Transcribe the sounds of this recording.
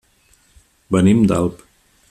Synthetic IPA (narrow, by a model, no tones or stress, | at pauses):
bənimd̪a̰lˠp